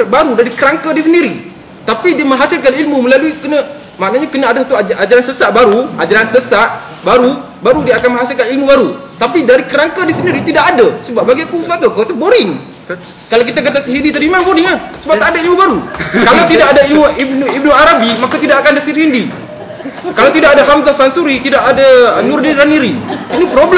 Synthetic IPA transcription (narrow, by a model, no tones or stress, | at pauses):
baɾudaɾikəɾaŋkədis̬əndiɾi | t̪apidiəməɦasɪlkanilmuməlaluikənə | maʔnaɲakənəadasat̪uad͡ʒʔad͡ʒaɾansəsaʔbaɾuad͡ʒaɾansəsaʔ | baɾu | baɾudiaːkanmə̃ŋɦasɪlkanilmubaɾut̪apidaɾikəɾaŋkədisəndiɾit̪idaʔadasəbaʔ̚baɡikusəbap̚t̪ukot̪uboɾɪŋ | kalawkit̪ak̬at̪asəɦindit̪əɾimaboɾiŋasəbat̪adailmubaɾukalawt̪idakadailmuibnib̚nuaɾabimakat̪idaʔakandasirhindi | kalawt̪idakadaɦamt̪afansuɾit̪idaʔadanurdinɾaniɾiit̪upɾobl